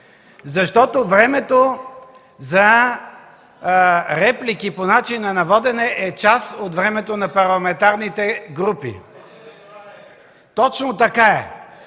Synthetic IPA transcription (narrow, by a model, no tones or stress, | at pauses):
zɐʃt̪ɔt̪ovɾɛmɛt̪o | zɐ | ɾɛplikiponat͡ʃinɐnɐvɔd̪ɛnɛʔɛt͡ʃasot̪vɾɛmɛt̪onɐpɐɾlˠɐmɛnt̪aɾnit̪ɛɡɾupḭ | t̪ɔt͡ʃnot̪ɐkaɛ̰